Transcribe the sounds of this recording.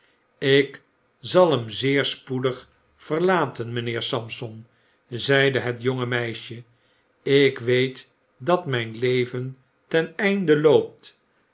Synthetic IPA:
ɪk | zɑlˠəmzɪːɹspudəχ | fərlaːtənmənɪːɹsɑmsɔn | zɛjdəɦətjoŋəmɛjʃə | ɪkʋejt | dɑtmɛjnlejvən | tɛnɛjndəlowp̚t

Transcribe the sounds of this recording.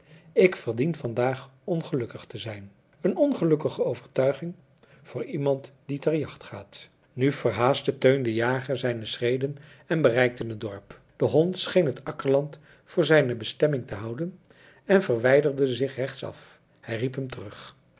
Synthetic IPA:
ɪkfəɹdinfɑndaːχɔnχəlɵkəχtəzɛjn | ənɔnχəlɵkəχəowvəɹtœɥχɪŋ | v̥ʊːɹimɑntd̥itɛɹjɑχtχaːt | nyvəɹɦaːstətøɥndəjaːχəzɛjnəsrejdən | ɛnbərɛjk̚tənətdɔɹp | d̥əɦɔntsχejnɦətɑkəɹlɑnt | fʊːɹzɛjnəbəstɛmɪŋtəɦɑwdən | ɛnvəɹʋɛjdəɹdəzɪχrɛχtsɑ̰f | hɛjripɦəmtərɵχ

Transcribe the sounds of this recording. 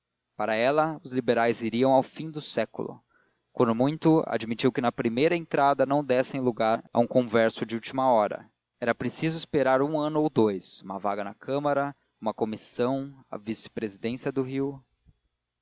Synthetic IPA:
paɾɐɛlɐʊzlibeɾajziɾiɐ̃w̃awfĩd̪ʊsɛkʊ̰lʊ̰ | kwɐ̃nd̪ʊmũj̃t̪ʊa̰d͡ʒmit͡ʃiwkɪnɐpɾimejɾɐẽnt̪ɾad̪ɐnɐ̃w̃d̪ɛsẽj̃luɡaɾɐ̰ũkõvɛɾsʊd͡ʒɪuwt͡ʃimɐɔɾɐ̰ | ɛɾɐpɾesizʊispeɾaɾũɐ̃nʊowd̪ojsũmɐvaɡɐnɐkʰɐ̃mɐɾɐ | ũmɐkomisɐ̃w̃ɐ̰visɪ̥pɾezid̪ẽsiɐd̪ʊɦiw

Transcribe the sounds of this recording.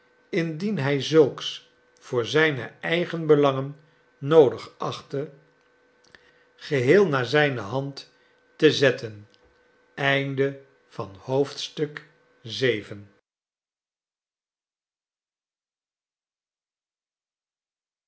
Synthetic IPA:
ɪndinɦɛjzɵlˠks | fʊːɹzɛjnə̰ɛjχənbəlɑŋənː | owdəχɑχtə | χəɦɪːlˠnaːɹzɛjnəɦɑnt | təzɛtən | ɛjndə | v̥ɑnhowftstɵk | zejvən

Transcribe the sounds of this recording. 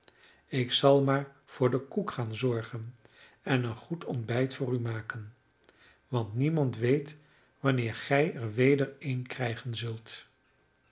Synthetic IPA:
ɪksɑlˠmaːɹ | v̥ʊːɹdəkukχaːnzɔɹχən | ɛnənχutʰɔndbɛjtfʊːrymaːkən | ʋɑntnimɑntʋejt | ʋɑnɪːɹχɛjɛɹʋejdəɹejnkrɛjχənzɵlˠt

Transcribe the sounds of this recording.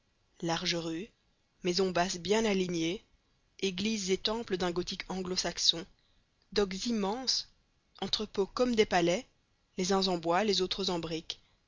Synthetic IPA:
laʁʒəʁy | mɛzɔ̃basbjɛ̃naliɲe | eɡlizːet̪ɑ̃pləd̪ɛ̃ɡɔt̪ikʰɑ̃ɡlosaksɔ̃ | d̪ɔkzimɑ̃s | ɑ̃t̪χəpokɔmd̪epalɛ | lezɛ̃zɑ̃bwalezot̪χəzɑ̃bʁik

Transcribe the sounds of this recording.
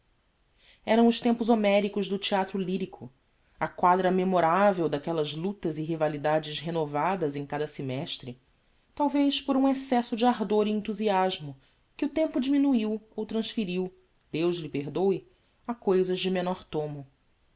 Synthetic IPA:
ɛɾɐ̃w̃ʊʃt̪ẽmpʊzomɛɾikʊʒd̪ʊt͡ʃiat̪ɾʊliɾikʰʊ | ɐkwad̪ɾɐmemoɾavewd̪akɛlɐzlut̪ɐziɦivalid̪ad͡ʒɪʃɦenovad̪ɐzẽj̃kad̪ɐsimɛʃt̪ɾɪ | t̪awvejʃpoɾũesɛsʊd͡ʒɪaɦd̪oɾiẽnt̪uziaʒmʊ | kɪʊt̪ẽmpʊd͡ʒiminuiwowt̪ɾɐ̃ʃfiɾiw | d̪̥ewʒlɪpeɦd̪owɪ | akojzɐʒd͡ʒɪmenɔɾt̪õmʊ

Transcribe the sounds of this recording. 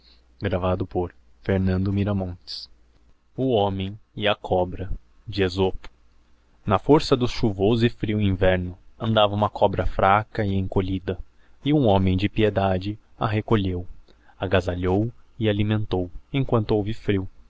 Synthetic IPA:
ɡɾavad̪ʊpoɾ | feɾnɐ̃nd̪ʊmiɾɐmõt͡ʃɪ̥s | ʊõmẽj̃ɪɐkʰɔbɾɐ | d͡ʒɪezopʊ̥ | nɐfoɾsɐd̪ʊsʃuvozɪfɾiwĩvɛɾnʊɐ̃nd̪avɐũmɐkʰɔbɾɐfɾakɐɪẽŋkoʎid̪ɐ | ɪũõmẽj̃d͡ʒɪpied̪ad͡ʒɪaɦekoʎew | aɡazaʎowɪalimẽnt̪owẽkwɐ̃nt̪ʊowvɪfɾiw

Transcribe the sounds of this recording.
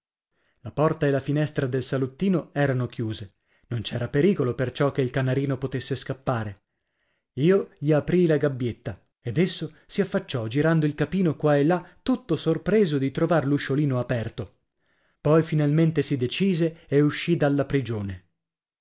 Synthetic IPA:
lapɔrt̪aelːafinɛst̪ɾad̪elsalut̪ːiːnoɛːɾanok̟juːze | nont͡ʃɛːɾapeɾiːkolopert͡ʃɔk̟ːeilkanaɾiːnopot̪esːeskapːaːɾe | iːoʎiapɾilaɡabːjet̪ːa | ed̪esːo | siafːat͡ʃːɔd͡ʒiɾand̪oilkapiːnokwaelːat̪ːut̪ːosorpɾeːzod̪it̪ɾovarluʃːoliːnoapɛrt̪o | pɔjfinalment̪esid̪et͡ʃiːzeːuʃːid̪alːapɾid͡ʒoːne

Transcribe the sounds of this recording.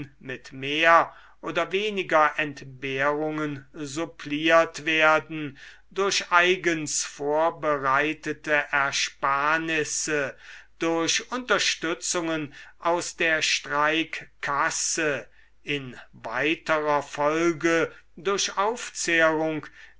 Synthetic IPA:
mɪtmeːɐ | ʔoːdɐveːnɪɡɐʔɛntbeːʁʊŋənzʊpʰliːɐtv̥eɐdn̩ | dʊɐʃʔaɪɡənsfoːɐbəʁaɪtətəʔɛɐʃpaːɐnɪsəd̥ʊɐɕʔʊntɐʃtʏt͡sʊŋənʔaʊsd̥eːɐʃtʁ̥aɪkkʰːasə | ɪnva̰ɪtəʁɐfɔlɡədʊɐɕaʊft͡seəʁʊŋk

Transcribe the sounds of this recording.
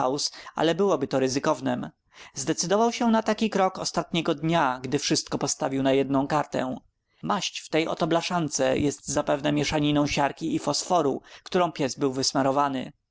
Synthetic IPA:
awsa̰lɛbɘwɔbɘt̪ɔɾɘzɘkɔvnɛm | zd̪ɛt̪sɘd̪ɔvawɕɛnat̪akʲikɾɔkɔ̰st̪at̪ɲɛɡɔd̪ɲaɡd̪ɘfʂɘst̪̚kɔpɔst̪avʲiwnajɛd̪nɔ̃w̃kaɾt̪ɛ̰ | maɕt͡ɕft̪ɛjɔ̰t̪ɔblaʂant̪sɛ̰jɛst̪zapɛvnɛmʲjɛʂaɲinɔ̃w̃ɕaɾkʲiːfɔsfɔɾṵkt̪uɾɔ̃w̃pʲjɛzbɘwvɘsmaɾɔvanɘ̰

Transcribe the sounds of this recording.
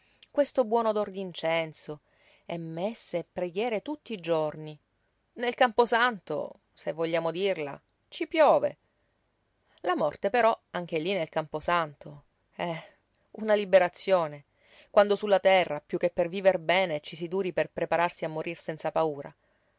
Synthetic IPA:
kwest̪obwɔːnod̪ord̪int͡ʃɛnt̪so | ɛmːesːepːɾeɡjɛːɾet̪ut̪ːiːd͡ʒorni | nelkamposant̪o̰ | sevːoʎːaːmod̪irla̰ | t͡ʃipjɔːvḛ | lamɔrt̪epeɾɔaŋk̟elinelkamposant̪ʰo | ɛ | unalibeɾat̪sːjoːne | kwand̪osulːat̪ɛrːapjukːepːerviːverbɛːnet͡ʃisid̪uːɾiperpɾepaɾarsiamːoɾirsɛnt̪sapauːɾa̰

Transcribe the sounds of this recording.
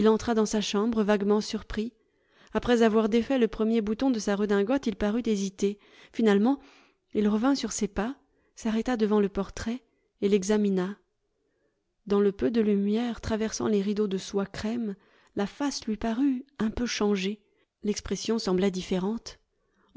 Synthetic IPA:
ilɑ̃t̪χad̪ɑ̃saʃɑ̃bʁəvaɡmɑ̃syʁpχi | apχɛzavwaʁd̪efɛləpχəmjebut̪ɔ̃d̪əsaʁəd̪ɛ̃ɡɔt̪ilpaʁyt̪ezit̪e | finalmɑ̃ | ilʁəvɛ̃syʁsepa | saʁɛt̪ad̪əvɑ̃ləpɔʁt̪χɛ | elɛɡzamina | d̪ɑ̃ləpød̪əlymjɛʁt̪χavɛʁsɑ̰̃leʁid̪od̪əswakχɛm | lafaslɥipaʁyɛ̃pøʃɑ̃ʒe | lɛkspχɛsjɔ̃sɑ̃blɛd̪ifeʁɑ̃t̪

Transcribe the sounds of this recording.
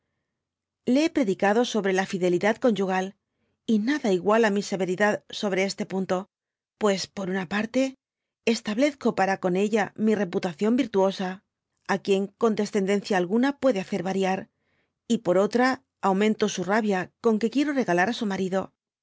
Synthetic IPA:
leepɾe̞ðikaðo̞so̞βɾe̞lafiðe̞liðaðko̞nd͡ʒuɣ̞al | inaðaiɣwalamise̞βe̞ɾiðaðso̞β̞ɾe̞e̞st̪e̞punt̪o̞ | pwe̞spo̞ɾunapaɾt̪e̞ː | st̪aβle̞θko̞paɾako̞ne̞ʎamire̞put̪aθjo̞mbiɾt̪uo̞saː | kje̞ŋko̞nd̪e̞sθe̞nd̪e̞n̟θjaːlɣunapwe̞ðe̞aθe̞ɾβaɾjaɾ | ipo̞ɾo̞t̪ɾaː | wmẽ̞nt̪o̞suraβjako̞ŋke̞kje̞ɾo̞re̞ɣalaɾasumaɾiðo̞

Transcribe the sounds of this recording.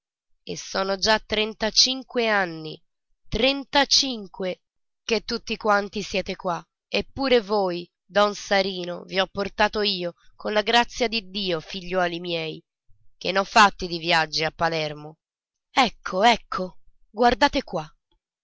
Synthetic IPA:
esːɔːnod͡ʒat̪ːɾɛnt̪at͡ʃiŋkweanːḭ | t̪ɾɛnt̪at͡ʃiŋkwe | ket̪ːut̪ːikwant̪isjɛːt̪ekwa | epːuːɾevoːj | d̪ɔnsaɾiːno̰viɔpːort̪aːt̪oiːokonlaɡɾat̪sːjad̪id̪ːiːofiʎːɔːlimjɛːj | k̟enːɔfːat̪ːid̪ivjad͡ʒːiapːalɛrmo | ɛkʰːoɛkʰːo | ɡward̪aːt̪ekwa

